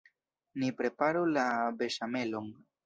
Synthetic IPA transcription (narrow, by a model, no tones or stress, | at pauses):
nipɾe̞paɾulabe̞ʃame̞lo̞n